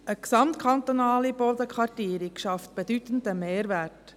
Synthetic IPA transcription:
ʔəksɑmt̪kʰɑnt̪onɑːlibɔd̪əkʰʋɑrtiəɾikʃɑft̪̚b̥ed̪yt̪ən̩d̪əmeːɾvæɾt

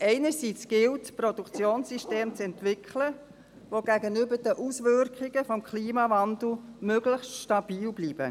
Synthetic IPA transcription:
ʔɛɪnəɾsit͡sɡ̥ɪltpɾodukt͡sjoːnsiʃteːmt͡sɛntʋɪkʰχlə | ʋoɡæɡənʏbəd̥əʔusʋʏrkχɪɡ̥əfɔmkʰliːmɑvɑnd̪l̩ˠmøɡləçstʃtɑb̥iːlbliːb̥ə̰

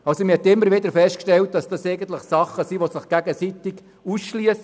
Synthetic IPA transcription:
ɑlsoməhɛt̪ɪmːəɾʋɪd̪əɾfɛstkʃtɛlt̚d̥ɑsd̥ɑseɪɡən̩t̪̬ləχsɑχːəsiʋosɪχɡ̥æɡəsit̪ɪɡ | usʃliəs

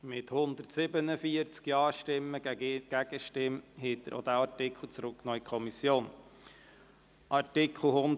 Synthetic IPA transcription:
mɪthʊnd̪əɾtsɪbənəfiəɾt͡skjɑːʃtɪmːəɡæɡ̥æɡ̥əʃtɪmhet̚d̥̪əɾʔo̰d̪æɑɾtɪkχl̩ˠt͡sɾʊkknɔːikʰɔmisjoːn | ʔɑɾtɪkʰl̩ˠhʊn

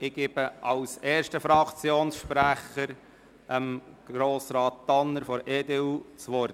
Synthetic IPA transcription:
ɪɡ̥eːb̥əʔɑwseːʃtəfɾɑkt͡sjoːnsʃpɾæχəɾ | ʔəmɡ̥ɾoːsɾɑːt̚tɑnːəɾfɔɾeːd̪eut͡sʋɔɾt

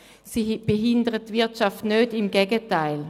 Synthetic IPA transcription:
sib̥eɦɪndəʁəttːvɪɐtʃaftnøːdɪmɡɛːɡətaɪl

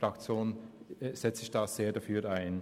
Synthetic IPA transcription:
ɾakt͡sjoːnz̥ɛt͡sɪçd̥aːz̥eːɐdafyːʔaɪn

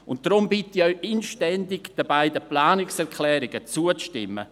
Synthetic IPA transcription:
ʊnt̚d̥ɾʊmbɪtiɔɥʔɪnʃtɛndɪɡd̥əbaɪdəplaːnɪksɛkʰlɛːɾɪɡət͡suəʃtɪ̰mːə̰

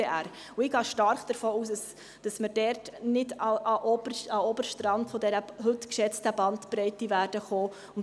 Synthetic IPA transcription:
eʔæɾ | ʊɪɡɑːʃtɑɾχd̥əɾfoːuːsd̥ɑs | d̥ɑsməɾdɛrtnɪdɑʔɑʔɔbəɾɑɔbəɾʃtɾɑntfɔdɛɾəɦɵtkʃɛt͡stəbɑntpɾɛɪtivæːrd̥əχoː | ʊn

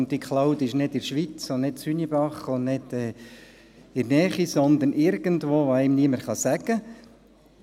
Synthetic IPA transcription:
ntdikχlaʊd̪ɪʃnɪdɪɾʃʋit͡sonɪtsynibɑχʊnnɪd̪̥ɛː | ɪɾnɛːχisɔnd̪ənʔɪɾɡ̥əntʋoːʋoɛmniəməɾχɑsæɡə

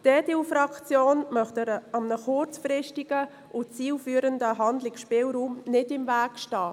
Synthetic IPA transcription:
d̥ɛːdilfɾɑkt͡sjoːnmœχtəɾɑmnəχʊɾt͡sfɾɪʃtɪɡ̥ə | ʔʊt͡siːlfyːɾəndəɦɑndlɪksʃpɪːlɾuːmnɪdɪmvæːkʃtɑː

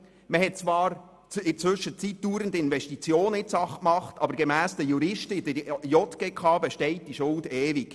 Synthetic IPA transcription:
məɦɛt̚t͡sʋɑːɾ | t͡sɪt͡sʋʏʃət͡sit̚d̥uːɾəndɪnvɛʃtit͡sjoːnɪtsɑχkmɑχtɑbəɾɡ̥emæːsd̥̪əjuɾɪʃtəidəjɔt̪ɡɛkʰɑːbɛʃtɛɪt̚d̥iʃʊldɛːviɡ̥

